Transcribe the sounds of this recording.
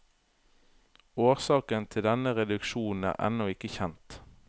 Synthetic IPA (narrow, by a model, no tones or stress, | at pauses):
oːʁsɑːkənt̪ʰɪld̪ɛnəʁɛd̪ʉkʃuːn̩æ̰ːʁɛ̰nɔɪkəçɛnt̪